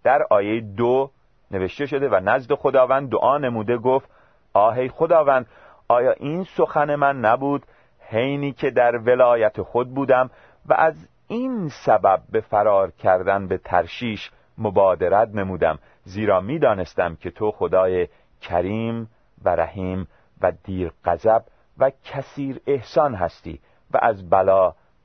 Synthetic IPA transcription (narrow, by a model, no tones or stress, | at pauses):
d̪̥æɾɒːjejed̪o | ne̞ve̞ʃt̪e̞ʃo̞d̪e̞vænæzd̪e̞xo̞d̪ɒːvænd̪ːoʔɒːne̞muːd̪e̞ɡoft̪ | ʔɒːɦe̞jxo̞d̪ɒːvænd̪ | ʔɒːjɒːʔinso̞xæne̞mænːæbuːd̪ | he̞jniːcʰe̞d̪æɾve̞lɒːjæt̪ʰexo̞d̪̚buːd̪æm | væ̰ʔæz | insæbæb̚ːe̞fæɾɒːɾcʰæɾd̪ænbe̞t̪ʰæ̰ɾʃiːʃ | mobɒːd̪eɾæt̪̚ne̞muːd̪æ̰m | ziːɾɒːmiːd̪ɒːne̞st̪æmcʰe̞t̪ʰo̞xod̪ɒːje | cʰæɾiːm | væɾæ̰hiːm | væd̪iːɾɢ̥æzæb | væcʰæsiːɾe̞hsɒːnɦæ̰st̪ḭː | væ̰ʔæzbælɒː